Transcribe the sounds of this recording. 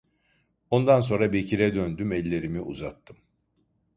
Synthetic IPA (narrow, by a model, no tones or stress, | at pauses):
o̞nd̪ans̬o̞nɾabicʰiɾɛd̪ønd̪ymɛlʲːe̞ɾimiʔṵzat̪ʰːɯm